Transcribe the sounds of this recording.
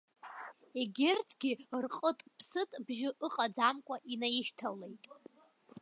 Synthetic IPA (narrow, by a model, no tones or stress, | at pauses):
eɡʲertʰɡʲɪrqʼətʼpʰsɨtʼbʒɪʔɨqʼad͡zamkʷʼaʔinajɪʃtʰale̞jtʼ